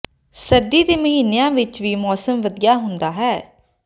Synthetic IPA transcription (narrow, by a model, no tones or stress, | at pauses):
səɾd̪iːd̪eːməɦiːnːejãːʋɪt͡ʃʋiːmɔːsəmʋəd̪ijaːɦʊnd̪aːɦɛː